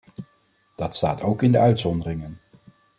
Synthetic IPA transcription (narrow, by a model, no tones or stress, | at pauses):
d̥ɑtsta̰ːtowkɪndəœɥtsɔndərɪŋən